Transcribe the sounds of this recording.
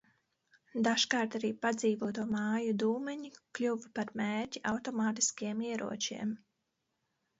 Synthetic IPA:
d̪aʃkaːɾt̪aɾiːpad̪ziːvuɔt̪uɔmɑːjud̪uːmɛɲikʎʲuvpaɾmeːɾcʲiʔawt̪ɔmaːt̪i̥skiɛmiɛɾʔṵɔt͡ʃḭɛm

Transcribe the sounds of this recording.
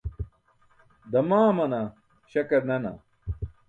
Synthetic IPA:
d̪ɐmaːmɐnɐ | ɕɐkɐɾnɐnɐ̰

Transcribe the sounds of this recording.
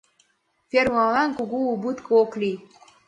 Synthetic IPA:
feɾwalaŋkuɡuubut̪kʰokli

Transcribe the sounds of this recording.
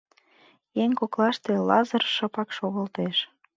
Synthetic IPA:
jeŋkoklɑʃt̪elɑzərʃəpɑkʃoɣə̆lt̪eʃ

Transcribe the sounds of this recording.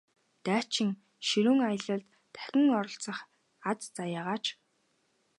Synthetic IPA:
t̪æːt͡ɕʰɪ̆ŋ | ʃiɾuːŋajə̆ɮə̆ɮt̪ːʰæ̥xʲɪ̆ŋɔɾɞ̆ɬt͡sə̆χ | at͡st͡sajaːʁaːt͡ɕ

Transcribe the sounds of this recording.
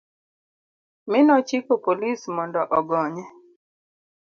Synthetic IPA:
mɪnɔt͡ʃikopolismɔndɔʔɔɡɔɲɛ

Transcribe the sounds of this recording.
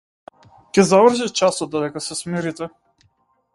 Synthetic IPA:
kʲɛzavr̩ʒit͡ʃasɔd̪̚d̪ɔd̪ɛkasɛsmiɾit̪ɛ

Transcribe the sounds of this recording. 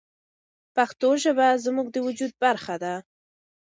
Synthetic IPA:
paxt̪oʒəbazmuɡ̚d̪əwʊd͡ʒud̪̚baɾxad̪a

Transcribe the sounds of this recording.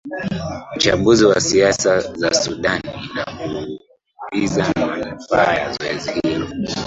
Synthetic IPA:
m̩t͡ʃambuziwasiasazasuɗaninaku | izamanfaːja̰zɔɛzihilɔ

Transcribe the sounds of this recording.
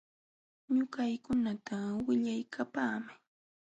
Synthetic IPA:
ɲʊkajkʊnat̪awɪʎajkʰapaːmɪ

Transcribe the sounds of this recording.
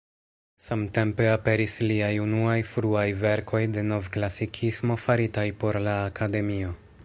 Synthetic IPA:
samte̞mpe̞ape̞ɾisliajunuajfɾuajve̞ɾkʰo̞jde̞no̞vklasikʰismo̞faɾitajpo̞ɾlaːkade̞mio̞

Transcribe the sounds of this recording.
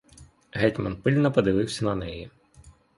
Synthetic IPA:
ɦɛtʲmɐ̰npɪlʲnɔpɔd̪ɪʋɪwsʲɐnɐnɛji

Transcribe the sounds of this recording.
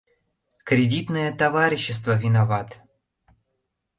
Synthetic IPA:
kɾʲɪdʲit̪nəjət̪ɐvaɾʲɪɕːɪs̬t̪vəvʲɪnavat̪

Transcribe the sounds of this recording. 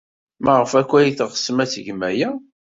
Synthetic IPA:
mæʁəfækʷːæjiθʁə̥sːmæθəʝmæjæ

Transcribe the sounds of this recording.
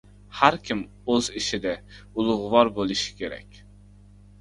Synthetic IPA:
hæɾkʲʰim | øziʃɪd̪ɛ | ulˠʊʁʊvɑɾbolˠɨʃi̥kʲeɾɛ̰kʲ

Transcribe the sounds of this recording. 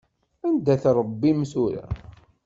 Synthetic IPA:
ænd̪æθɾˤbːimsuɾæ̰

